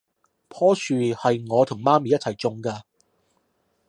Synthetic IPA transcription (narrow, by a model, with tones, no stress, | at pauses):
pʰɔː˥sʰyː˨hɐ˨jŋɔː˨˧t̪ʰʊ˨˩ŋmaː˥miː˨jɐ˥t̚t͡sʰɐ˨˩jt͡sʊ˨˧ŋkaː˧